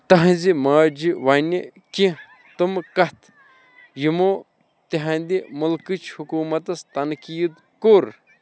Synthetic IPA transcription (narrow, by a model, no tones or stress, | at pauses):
t̪ɐɦɐ̃zimaːd͡ʒiʋɐnikĩ | t̪umkɐt̪ | jimoː | t̪eɦɐ̃nd̪imulkɨt͡ʃʰhukuːmɐt̪ɐst̪ɐnkiːd̪ | koːɾ